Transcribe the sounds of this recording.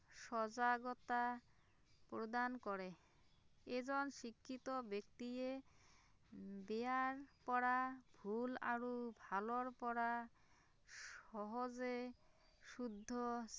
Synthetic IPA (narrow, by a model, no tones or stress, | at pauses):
ʃɔd͡ʑaɡɔt̪a | pɾod̪ankɔɾe | ed͡ʑɔnʃikʰːit̪obekt̪ie | beaɾpɔɽabʱula̰ɾubʱaloɾpɔɽa | ʃɔɦod͡ʑe | ʃud̪ʱːo